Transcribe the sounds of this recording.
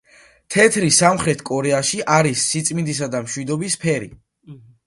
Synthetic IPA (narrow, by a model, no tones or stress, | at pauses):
t̪ʰɛt̪ʰɾisamχɾɛt̪ʰkʼɔɾɛaʃiʔaɾisːit̪sʼmind̪is̬ad̪amʃwid̪ɔbispʰɛɾḭ